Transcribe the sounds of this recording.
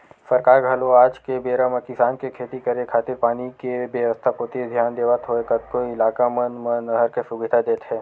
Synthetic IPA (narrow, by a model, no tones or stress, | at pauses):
səɾkaːɾɡʱɐloaːd͡ʒkebeːɾaməkɪsaːnkekʰeːt̪ikɐɾekʰaːt̪ɪɾpaːnikebjeʋəst̪ʰapoːt̪id̪ʱjaːnd̪eːʋat̪ʰɦoekɐt̪̚koɪlaːkamənmənəɦəɾkesʊbɪd̪ʱad̪eːt̪ɦɛː